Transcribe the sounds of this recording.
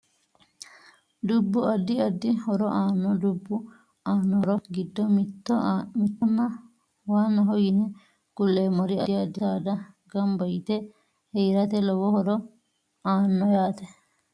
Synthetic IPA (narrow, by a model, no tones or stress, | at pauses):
d̪ubːuɐd̪ːiɐd̪ːihɔɾɔʔaːnːɔd̪ubːu | aːnːɔɾɔɡɪd̪ːɔmt̪ːɔmɪt̪ːɔnːɐ | waːnːɐɦɔjinɛ | kʊlːeːmɔɾiɐiɐd̪ːitaːd̪ɐɡɐmbɐjt̪ɛ | hɛjɾɐt̪ɛlɔwɔhɔɾɔ | aːnːɔjaːt̪ɛ